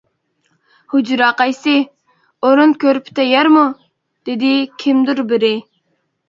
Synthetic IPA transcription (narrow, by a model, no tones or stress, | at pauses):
hud͡ʒɾɑːqɑjsɪ | oɾʊnkʲʰøɾpt̪ʰɛjɛɾmu | d̪̥ɪd̪ɪkʲʰimd̪uɾbɪɾɪ